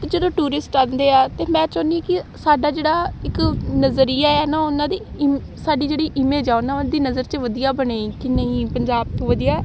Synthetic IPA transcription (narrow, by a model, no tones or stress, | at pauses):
t̪d͡ʒəd̪õːʈuːɾɪsʈaːnd̪eːaːt̪eːmɛ̃ːt͡ʃəːnĩkɪsaːɖaːd͡ʒeːɽaːɪknəzɾijaːɛːnaːʊnãːd̪iːm | saːɖiːd͡ʒeːɽiːʔɪmẽːd͡ʒaːʊnãːd̪iːnəzəɾt͡ʃəʋəd̪ijaːbəɳeːiːkɪnẽĩːpəɲd͡ʒaːb̚t̪oʋəd̪ijaː